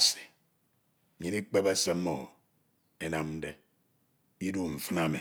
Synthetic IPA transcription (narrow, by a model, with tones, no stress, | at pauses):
si̥˨ | ɲi˨ni˦k͡pe˦be˦se˦m̩˦o˨ | e˨na˨mn̩˦de˦ | i˦du˦ɱ̩˨fɨ˦na˦mi˨